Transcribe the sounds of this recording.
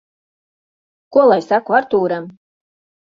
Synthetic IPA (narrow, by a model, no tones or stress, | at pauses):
kɔlˠajʲsakvaɾt̪uːɾam